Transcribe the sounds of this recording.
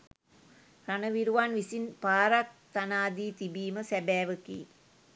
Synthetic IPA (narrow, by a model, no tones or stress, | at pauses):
ranəʋiɾuʋanʋisinpaːɾak̚t̪anaːd̪iːt̪ibiːməsɛbɛːʋəkḭː